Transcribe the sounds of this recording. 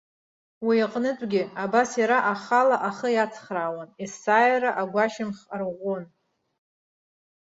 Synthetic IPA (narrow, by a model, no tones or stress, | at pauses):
wiaqʼnɨt͡sʷʼɡʲɪabasjaɾaʔaχalaʔaχəjat͡sʰχrawanisaːjɾaʔaɡʷaʃɪmχrʁʷon